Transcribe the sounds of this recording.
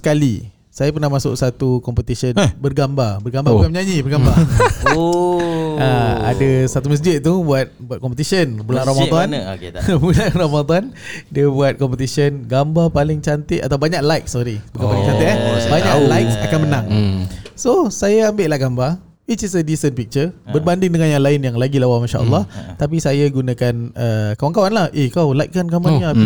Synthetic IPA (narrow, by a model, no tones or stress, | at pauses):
sə̥kalḭ | sajapərnahmasʊ̰ʔsat̪ukɔmpət̪isənbərɡambarbərɡambaɾbukanməɲaɲibərɡamba | aa̰dasat̪uməs̬d͡ʒɪt̪̚t̪ubuat̪̚buat̪̚kɔmpət̪isənbulanɾɔmad̪ɔnbulanrɔmad̪ɔndiəbuat̪̚kɔmpət̪̬isənɡambapalɪŋt͡ʃant̪ɪʔat̪awbaɲaklajk̚sɔɾibəkanpalɪŋt͡ʃant̪ɪʔɛbaɲalajksakanmənãŋsosajaambeʔlahɡamba | it̪̚isədisənpik̚t͡ʃərbərbandɪŋdəŋanjaŋlaɪnjaŋlaɡilawamanʃa̰ʔə̰lˠːɑɔht̪ap̬isajaɡunakanəkawaŋkawanlahʔikawlajk̚kankamaɲaa